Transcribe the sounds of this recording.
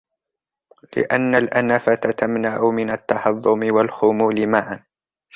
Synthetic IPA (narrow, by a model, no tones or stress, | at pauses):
lɪ̰ʔanːalʔanafat̪at̪amnaʕʊmɪnat̪ːɑhɑðˤːʊmɪwalxʊmuːlɪmaːʕan